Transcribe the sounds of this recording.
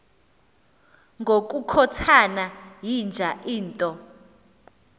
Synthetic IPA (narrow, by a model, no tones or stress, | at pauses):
ŋɡʱok̬ʼukʰɔtʰanajind͡ʒʱaʔiːntʼɔ